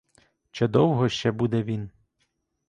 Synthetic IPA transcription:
t͡ʃɛd̪ɔwɦɔʃt͡ʃɛbud̪ɛʋʲin

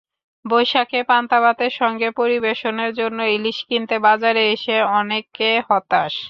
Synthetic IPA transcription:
bojʃakepant̪aβat̪eɾʃɔŋɡepoɾibeʃoneɾd͡ʑonːoiliʃkint̪ebad͡ʑaɾeeʃeɔnekehɔt̪aʃ

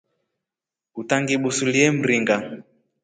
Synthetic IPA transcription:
utaŋɡiɓusuliɛm̩ɾiŋɡa

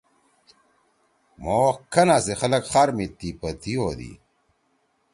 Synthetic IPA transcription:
moːkɐnasexɐlɐkχaɾmit̪ːipɐt̪iod̪ḭ

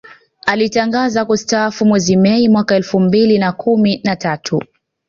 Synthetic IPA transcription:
alitaŋɡazakustafumwɛzimɛimwakaɛlfum̩bilinakuminatatʰu

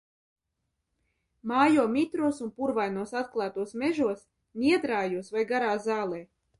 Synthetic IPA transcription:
maːjuɔmit̪ɾuɔsunpuɾvajnuɔsat̪̚klˠaːt̪uɔsmeʒuɔs | nʲiɛd̪ɾaːjuɔsvajɡaɾaːzaːlˠɛː

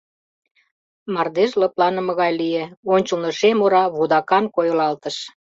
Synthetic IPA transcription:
mɑrd̪eʃlɤplɑnə̆mɤ̆ɣɑjlieonʲt͡ɕəlnoʃemoɾɑβud̪ɑkɑnkojolɑlt̪əʃ

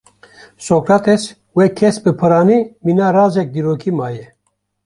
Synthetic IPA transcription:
sokɾat̪ɛs | wekʰɛsbɨpʰɨɾaːniːminaːɾaːzɛk̚d̪iːɾoːkʰimaːjɛ

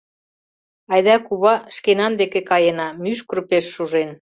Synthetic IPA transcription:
ɑjðɑkuβɑʃkenɑnd̪ekekɑjenɑmyʃkrpeʃːuʒen

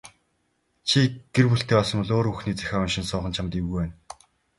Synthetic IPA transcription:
t͡ɕʰiɡ̥erpuɬt̪ʰeːpɔsɞ̆mwɔɮoːɾuxniːt͡sæ̥xʲaːʊnʃɪ̆nsʊːʁə̆nt͡ɕʰamt̪iwɣujwæːn

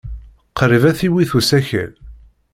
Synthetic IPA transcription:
qɾivæθiwiθusæçə̰l

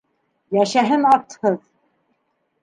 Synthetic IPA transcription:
jæʃæɦɘnɑɾt̪hɤð

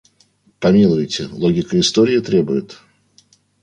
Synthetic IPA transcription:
pɐmʲilˠʊvjtʲɪlˠo̞ɡʲɪkəɪst̪oɾʲɪɪt̪ɾʲe̞bʊjɪt̪

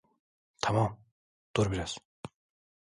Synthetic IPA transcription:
t̪ʰɑmɑm | d̪̥oɾbiɾæz̥

